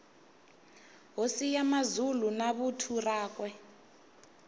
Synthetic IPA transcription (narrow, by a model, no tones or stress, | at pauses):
ɦosijamazulunaɓutʰuraːk̬wɛ